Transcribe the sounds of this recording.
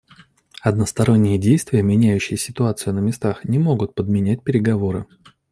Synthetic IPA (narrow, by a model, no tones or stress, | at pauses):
ɐd̪nəst̪ɐɾo̞nʲːɪjədʲejst̪vʲɪjəmʲɪnʲæjʉɕːɪjəsʲɪt̪ʊat̪sɨjʊnəmʲɪst̪axnʲɪmo̞ɡʊt̪̚pəd̪̚mʲɪnʲæt̚ʲpʲɪɾʲɪɡɐvo̞ɾɨ̰